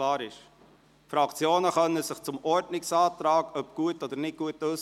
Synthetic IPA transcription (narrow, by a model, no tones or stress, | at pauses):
lɑːɾɪʃ | fɾɑkt͡sjoːnəχœnəsɪχt͡sʊmɔɾtnɪksɑːt̪ɾɑːɡəœpɡ̥uətɔd̥̪əɾnɪt̚ɡ̥uətøs